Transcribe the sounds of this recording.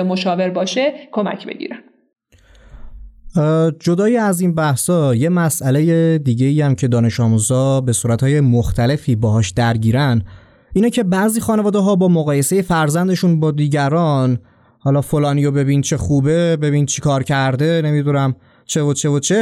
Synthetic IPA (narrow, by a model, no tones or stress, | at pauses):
emoʃɒːveɾbɒːʃekʰomæ̰cʰbḛɟḭːɾæn̥ | d͡ʒo̞d̪ɒːjiæziːnbæhsɒːje̞mæsʔæle̞je̞d̪iːɟe̞iːjæmcʰe̞d̪ɒːne̞ʃɒːmuzɒːbe̞suːɾæt̪hɒːje̞moxt̪ʰæle̞fiːbɒːɦɒːʃd̪æɾɟiːɾæn | iːnɛcʰe̞bæziːxɒːnevɒːd̪eɦɒːbɒːmoɣɒːje̞se̞je̞fæɾzænd̪e̞ʃunbɒːd̪iːɟæɾɒːn | hɒːlɒːfo̞lɒːniːjo̞be̞bint͡ʃʰe̞xuːbe̞be̞bint͡ʃʰi̥kʰɒːɾcʰæɾd̪e̞ne̞mid̪unæm | t͡ʃʰe̞vot͡ʃʰe̞vot͡ʃʰe